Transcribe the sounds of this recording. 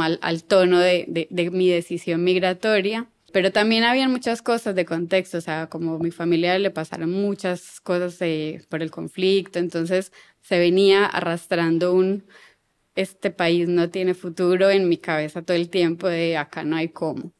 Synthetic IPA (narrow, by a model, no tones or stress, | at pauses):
ala̰lt̪o̞no̞ðed̪ed̪emið̞e̞sisjo̞nmiɣɾat̪o̞ɾja | pe̞ɾo̞t̪ambje̞naβianmut͡ʃasko̞sazd̪e̞ko̞nt̪e̞kst̪oːseako̞momifamiljaɾle̞pasa̰ɾonmut͡ʃasko̞sasepo̞ɾe̞lko̞̰ɱflikt̪o̞ent̪o̞nse̞sː | e̞βe̞niaʔa̰rast̪ɾand̪oun | e̞st̪e̞paisno̞t̪je̞ne̞fut̪uɾo̞enmikaβe̞sat̪oðelt̪je̞mpo̞ðe̞akanoajkʰo̞mo